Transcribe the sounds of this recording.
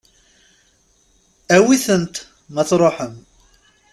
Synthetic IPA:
æwiθənt̪ | məθɾˤoħəm

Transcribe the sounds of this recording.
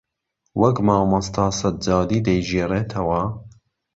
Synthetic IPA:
wʔɐkmɑːwmɐst̪ʰɑːsɐt̪̚d͡ʒɑːd̪iːd̪ɐjʒeːreːt̪ʰɐwɐ

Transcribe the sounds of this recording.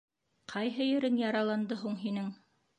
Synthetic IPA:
qʰɑjɦɤjɘ̆ɾɘŋjɑɾɑlˠɑnd̪ɤɦuɴɦinɘŋ

